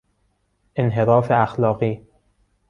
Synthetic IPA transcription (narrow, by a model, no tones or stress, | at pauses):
ʔenɦeɾɒːfeæxlɒːɣiː